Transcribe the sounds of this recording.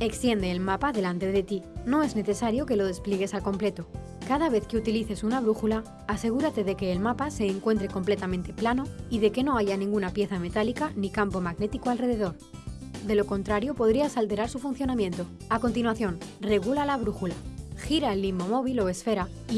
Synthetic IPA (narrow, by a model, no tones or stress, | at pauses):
e̞kst̪je̞nd̪eːlmapaðe̞lant̪e̞ðe̞t̪ino̞e̞zne̞θe̞saɾjo̞ke̞lo̞ð̞e̞spleɣe̞salko̞mple̞t̪o̞ | kaðaβ̞e̞θke̞ut̪iliθe̞sunaβ̞ɾuxulaː | se̞ɣ̞uɾat̪e̞ðe̞ke̞ːlmapase̞ːŋkwe̞nt̪ɾe̞ko̞mple̞t̪amẽnt̪e̞plano̞iðe̞ke̞no̞aʝanĩŋɡunapje̞θame̞t̪alikanikampo̞maɣne̞t̪ikoalre̞ðe̞ðo̞ɾ | d̪e̞lo̞ko̞nt̪ɾaɾjo̞po̞ð̞ɾiasalt̪e̞ɾaɾsufunθjo̞namjẽ̞nt̪o̞ | ako̞nt̪inwaθjo̞nre̞ɣ̞ulalaβ̞ɾuxulaxiɾaelːimːo̞mo̞βilo̞e̞sfe̞ɾa